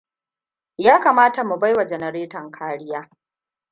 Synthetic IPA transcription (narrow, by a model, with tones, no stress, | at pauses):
jaː˦kaː˨maː˦ta˨mu˨ba˦jwa˨d͡ʒɛ˨nɐ˨ɾeː˦tɐ˨ŋkʰaː˦ɽɪ˦jaː˦